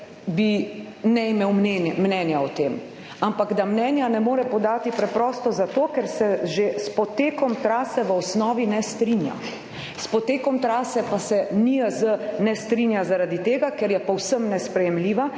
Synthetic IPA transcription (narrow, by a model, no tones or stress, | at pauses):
bi | nɛimeːwmɛmnɛːnjaɔt̪eːm | ampaɡd̪amnɛːnjanɛmoːɾɛpɔd̪aːt̪ipɾɛpɾɔːst̪ɔzat̪oːkɛɾsɛʒespɔt̪eːkɔmt̪ɾaːsɛʋəɔsnɔːʋinɛst̪ɾinja̰ | spɔt̪eːkɔmt̪ɾaːsɛpasɛniəzənɛst̪ɾinjazaɾaːd̪it̪eːɡakɛɾjɛpɔwsəmnɛspɾɛjɛmliːʋa